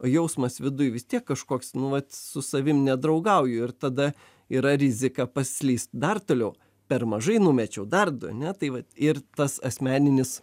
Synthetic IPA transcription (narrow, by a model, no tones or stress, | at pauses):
oːjɛʊsmɐsʋʲɪd̪ʊjʋʲɪst̪ʲiɛkːɐʃkoːksnʊʋɐt̪sʊsɐʋʲɪmnʲɛd̪ɾɒʊɡɐʊjʊɪrt̪ɐd̪ɐ | iːɾɐɾʲɪzʲɪkɑpɐsʲlʲiːst̪d̪ɐrt̪oːlʲɛʊ | pʲɛrmɐʒɐɪnʊmʲɛt͡ʃʲɛʊd̪ɐrd̪ɐ̰nʲɛt̪ɐɪʋɐt̪ɪrt̪ɐsɐsʲmʲæːnʲɪnʲɪs